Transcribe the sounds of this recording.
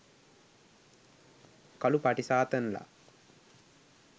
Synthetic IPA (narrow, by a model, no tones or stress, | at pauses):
kɐlupaʈisaːt̪ənla̰